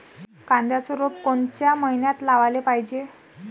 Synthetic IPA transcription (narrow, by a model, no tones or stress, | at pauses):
kãnd̪jasəɾop̚koɳt͡ɕjaməɦinjat̪laʋalepaɦid͡ʑe